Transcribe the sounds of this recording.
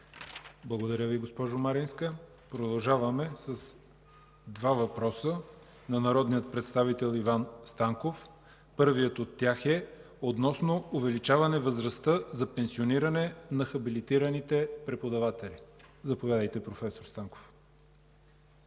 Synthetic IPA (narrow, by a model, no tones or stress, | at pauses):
blˠəɡod̪ɐɾʲəviɡospɔʒʊmaɾinskə | pɾod̪ɐlˠʒavɐmɛsɐs | d̪vavɐpɾɔsə | nɐnɐɾɔd̪nijət̪̚pɾɛt̪st̪avit̪ɛlˠivanst̪aŋkof | pɤɾvijət̪ot̪ːʲaxɛ | ot̪nɔsnoʊvɛlit͡ʃavɐnɛvəzɾɐst̪əzɐpɛnsioniɾɐnɛnɐxɐbilit̪iɾənit̪ɛpɾɛpod̪ɐvat̪ɛlizɐpovʲjad̪əjt̪ɛpɾofɛsoɾst̪aŋko̥f